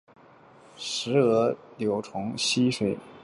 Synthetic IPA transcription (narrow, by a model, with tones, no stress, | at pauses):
ʂɻ̩˧˥ɤ˧˥ljo˧˥ʊʈ͡ʂʰʊ˧˥ŋɕi˥ʂwe˨˩ɪ